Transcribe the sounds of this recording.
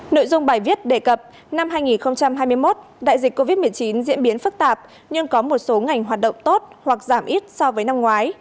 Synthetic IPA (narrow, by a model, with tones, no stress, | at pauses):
no̰˧˨jzʊ˧ŋ͡mɓaː˨˩jvi˦˥ət̚ɗe˨˩kə˨˩p̚ | na˧mɦaː˧jŋi˨˩nxə˧wŋ͡mt͡ɕa˧mɦaː˧jmɨ˧əjmo˦˥t̚ | ɗa̰ː˧˨jzï˨˩k̟̚ko˧vi˦˥t̚m˨˩əjt͡ɕi˨˦nzḭ˧˥ənɓi˨˦ənfɨ˦˥k̚t̪aː˨˩p̚ | ɲɨ˧ŋkɔ˨˦mo˨˩t̚so˨˦ŋa˨˩jŋ̟ɦaː˨˩t̚ɗə̰˧˨wŋ͡mt̪o˦˥t̚hwa˨˩k̚zaː˧˩mʔi˦˥t̚sɔ˧wvəː˨˦jna˧mŋwaː˨˦j